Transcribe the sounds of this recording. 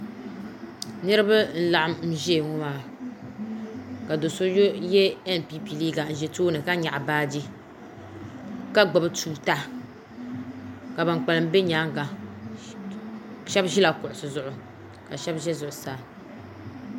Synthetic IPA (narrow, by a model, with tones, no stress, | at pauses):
nɨ˦ɾɨ˦ba˦n̩˦la˨ʔa˦mm̩˦ʒŋʊ˦maː˨ | ka˨do˨so˦jo˦jɛ˦ɛ˦n˨pi˦pi˨liː˦ɡa˨n̩˨ʒɛ˨toː˦nɨ˨ka˦ɲa˨ʔbaː˦d͡ʒi˦ | ka˦ɡ͡ba˨bɨ˦tʰuː˦ta˦ | ka˨ba˨ŋk͡pa˨lɨ˦m˦be˦ɲa˨˦ŋɡa˨ | ʃɛ˦bʒi˦la˨kʊ˨ʔʊ˨sɨ˨zʊ˨ʔʊ˨ | ka˨ʃɛ˦bʒɛ˦zʊ˨ʔʊ˨saː˨